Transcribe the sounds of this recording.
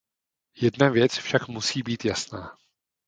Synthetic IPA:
jɛdnavjɛt͡sfʃakmusiːbiːt̪jasna̰ː

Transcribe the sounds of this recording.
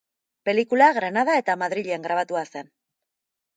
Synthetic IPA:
pe̞likulaɣɾanað̞ae̞t̪amaðɾiʎe̞ŋɡɾaβ̞at̪uase̞n

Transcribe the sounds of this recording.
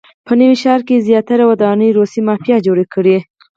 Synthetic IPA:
pənəwiʃɑɾkezjɑt̪aɾawad̪ɑnəjɾosimɑfijɑd͡ʒoɽekəɽe

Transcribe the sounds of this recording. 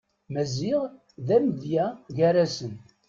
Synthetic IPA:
mæzɪʁ | ðæməðjæʝæɾæsən

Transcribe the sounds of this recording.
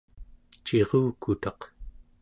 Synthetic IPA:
t͡ʃe̞ʁuːkut̪ɑq

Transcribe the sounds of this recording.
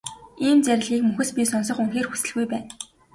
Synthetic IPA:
iːmt͡sæɾ̆ʲɮiːkmɵxɘ̆spʲisɔnsɞ̆χuŋxeːrxu̥sɘ̆ɮɣujpæːn

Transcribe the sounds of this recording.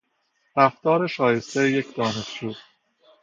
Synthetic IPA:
ɾæft̪ɒːɾe̞ʃɒːje̞st̪ejecd̪ɒːne̞ʃd͡ʒuːd̪

